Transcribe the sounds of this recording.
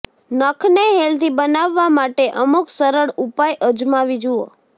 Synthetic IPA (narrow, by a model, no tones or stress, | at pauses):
nəkʰneɦelt̪ibənaʋːamaʈeʔəmuksəɾəɽupajʔəd͡ʒmaʋid͡ʒuo̰